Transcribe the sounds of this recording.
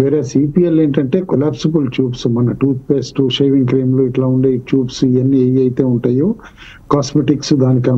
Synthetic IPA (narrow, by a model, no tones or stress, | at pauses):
ʋeːɾeːsiːpiːeleːɳʈɐɳʈe̞ːkolaːpsɐbɐlt͡ʃuːbsumɐnɐʈuːt̪̚peːsʈuʃeːʋiŋɡkɾeːmloːiʈlaːuɳɖeːjit͡ʃuːbsiɐnːieːʋiɐjt̪e̞ːuɳʈaːjoː | kaːsmeʈiksud̪aːnikɐn